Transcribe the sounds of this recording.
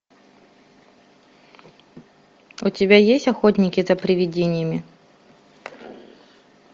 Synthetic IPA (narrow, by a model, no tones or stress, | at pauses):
ʊtʲɪbʲajesʲtʲɐxotʲnʲɪkʲɪzɐpɾʲɪvʲɪdʲenʲɪjəmʲɪ